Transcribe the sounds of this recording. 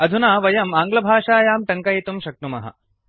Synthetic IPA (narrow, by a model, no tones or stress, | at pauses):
ɐd̪ʱunaːʋɐjɐmaːŋɡlɐbʱaːʃaːjaːmʈɐŋkɐjit̪umʃɐk̚ʈumɐ̰ɦɐ̰